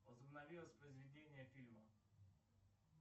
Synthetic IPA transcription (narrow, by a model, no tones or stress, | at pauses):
ɔzbnaʋiɔsʲpɾezʋid̪eniɛfilma